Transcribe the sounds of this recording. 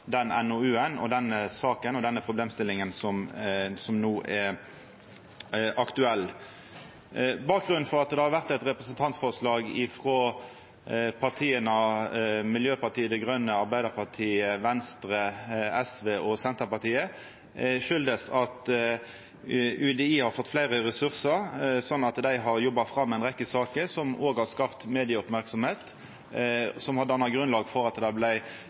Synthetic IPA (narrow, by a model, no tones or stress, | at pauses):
d̪ɛnɛ̰nɔʉːənɔ̰d̪ɛnːəsɑːkənɔd̪ɛnːəpʰʁʊbleːmst̪ɪlːɪŋənsɔmsɔmnuːʔɛ | ʔɑkt̪ʉɛlː | bɑːk̚ɡɾʉnn̩fɔʁɑt̪d̪ɛhɑɾʋæʁt̪ɛt̪ʁɛpʁəsənt̪ʰɑnt̪fɔʁʂlɑːɡɪfʁoː | pʰɑʁt̪ʰiːənɑmɪljøːpɑʈiːəd̪ɛɡʁœnːəɑɾbæɪd̪əʁpʰɑʈ̪ʰiːəʋɛnst̪ʁəɛsʋeːɔsɛnt̪əɾpɑt̪iːə | ʃʏld̪əsɑt̪ | ʉd̪ɛiːhɑɾfɔt̪ːflæɪɾəʁɛsʉɾsəɾsɔnːɑt̪d̪æɪɦɑɾjɔbːɑfɾɑmːæɪnʁɛkːəsɑːkəɾsɔmʔoːɡhɑʁskɑpt̪meːd̪ɪəʊpmæʁksɔmheːt̪ | sɔmhɑd̪ːəɑnːɑɡɾʉnlɑːɡfɔɾɑt̪d̪æblæɪ